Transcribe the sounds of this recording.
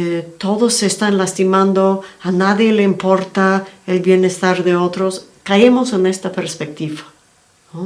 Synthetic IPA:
t̪o̞ðosːest̪anlast̪imãnd̪oanaðjeleimpo̞ɾt̪aelβje̞ne̞st̪aɾðe̞ot̪ɾoskaemose̞ne̞st̪apeɾspek̚t̪iβa | no

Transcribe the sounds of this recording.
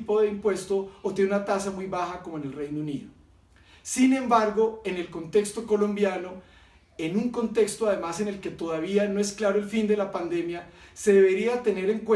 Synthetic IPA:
po̞ðe̞impwe̞st̪osot̪jeneunat̪asamujβaxako̞moene̞lrejnouniðo | sinẽ̞mbaɾɣo̞e̞ne̞lko̞nt̪e̞kst̪o̞ko̞lõ̞mbjano̞ | enuŋko̞nt̪e̞kst̪oað̞e̞mase̞ne̞lke̞t̪o̞ðaβ̞ianoe̞sklaɾo̞e̞lfind̪e̞lapand̪e̞mjase̞ðe̞βe̞ɾiat̪e̞ne̞ɾe̞ŋkwe

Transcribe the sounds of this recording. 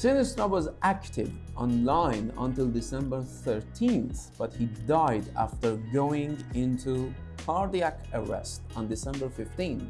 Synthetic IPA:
sɪnɪstɹəwɔzʔæktʰɪ̰və̃nlãɪ̃nə̰̃ntɪlˠdɪsɛ̃mbəɹθəɹtʰĩnθb̥ʌthidaɪdæ̰ftəɾɡoʊɪ̃ŋɪ̃ntʰu | kʰɑɹdiækəɹɛ̰stɑ̃ndɪsɛ̃mbəɹfɪftĩnθ

